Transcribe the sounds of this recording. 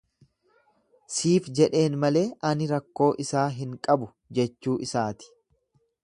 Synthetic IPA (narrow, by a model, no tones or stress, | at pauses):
siːfd͡ʒɛᶑe̞ːnmɐle̞ːʔɐnɪɾɐkːo̞ːʔɪsaːɦɪŋkʼɐbʊ | d͡ʒɛt͡ʃːuːʔɪsaːt̪ɪ̥